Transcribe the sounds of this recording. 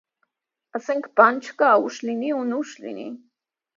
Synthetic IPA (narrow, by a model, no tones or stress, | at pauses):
aseŋkpant͡ʃkaːuʃliniunuʃlḭnḭ